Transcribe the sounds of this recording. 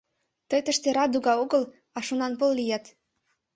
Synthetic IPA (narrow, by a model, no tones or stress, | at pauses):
t̪əjt̪ə̆ʃt̪eɾɑd̪uɣɑoɣəl | ɑʃonɑnpəlːijɑt̪